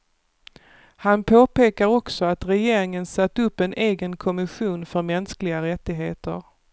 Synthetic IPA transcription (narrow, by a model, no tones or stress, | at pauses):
hanpʰoːpeːkaɾɔksɔat̪ɾɛjeːɾɪŋənsat̪ːɵpːɛnʔeːɡənkʰɔmɪɧuːnfœɾmɛnsklɪɡaɾɛt̪ːɪɡɦeːt̪ə̰ɾ